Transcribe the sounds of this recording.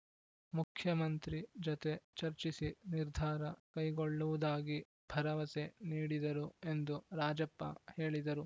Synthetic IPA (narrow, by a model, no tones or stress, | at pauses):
mukʰjɐmɐnt̪ɾid͡ʒot̪e̞t͡ʃɐɾt͡ʃisiniɾd̪ʱaːɾɐkɐjɡoɭːuʋud̪aːɡi | bʱɐɾɐʋɐse̞niːɽid̪ɐɾue̞nd̪uɾaːd͡ʒɐpːɐ̰he̞ːɭid̪ɐɾu